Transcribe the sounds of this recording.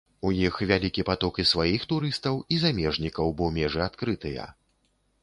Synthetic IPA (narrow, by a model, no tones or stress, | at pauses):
ujixvʲalʲikʲipat̪ɔkisvajixt̪uɾɨst̪ɐwizamʲɛʐnʲikɐwbɔmʲɛʐɨat̪kɾɨt̪ɨjɐ̰